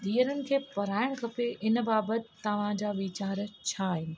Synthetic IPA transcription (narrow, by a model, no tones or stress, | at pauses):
d̪iːəɾənɪ̆kʰeːpɐɾaːɪɽ̃kʰɐpeʔɪn̆baːbət̪ɪt̪ɐʋ̤ãd͡ʑaːʋiːt͡ɕaːɾt͡ɕʰaːɦɪnɪ̆